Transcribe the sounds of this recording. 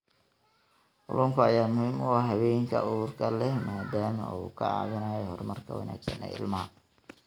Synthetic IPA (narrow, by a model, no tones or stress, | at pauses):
ʔʊ̰lʊːŋkʰʊajaːmʊhiːmʊɑhɦːɐβɛːjŋkʰɐ̰ʊðʊrkʰɐlɛhmaːd̪aːmɐṵːkʰɐ̰a̰ːβɪnaːjɛhɔrmɐrkʰɐwɑ̰na̰ːɡsɐnɛ̰ɪ̰lmɐɦɐ